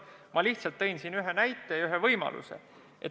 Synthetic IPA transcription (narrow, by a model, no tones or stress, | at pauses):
mʔɑliht̪sɑlt̪ːe̞jnsinyɦenæjt̪ːˑe̞jɑyɦevɤjmɑ̰lʔṵse̞̰ | ʔḛ